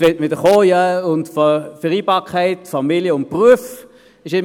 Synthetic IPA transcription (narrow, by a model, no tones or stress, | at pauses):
ʋɛtʋɪdəχoːjaʊntffəʁiːbɑːkʰaɪtfamiljəʊnt̚pʁuəf | ɪʃɪm